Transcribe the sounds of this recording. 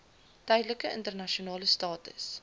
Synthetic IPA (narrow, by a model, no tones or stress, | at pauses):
tœjdləkəəntərnɐʃionɑːləstɑːtə̰s